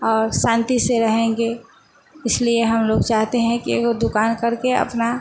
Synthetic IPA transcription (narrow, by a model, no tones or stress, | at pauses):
ɔːɾsãːnt̪iseɾɐɦẽŋɡe | ɪslieɦɐmloːɡt͡ʃaːɦt̪eɦɛ̃kiekod̪ʊkaːnkɐɾkeɐ̰pna